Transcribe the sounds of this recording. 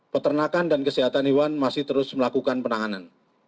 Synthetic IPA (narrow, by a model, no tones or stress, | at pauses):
pət̪ərnakandankəsiɦat̪anɦiwanmasɪht̪əɾʊsməlakukanpənaanan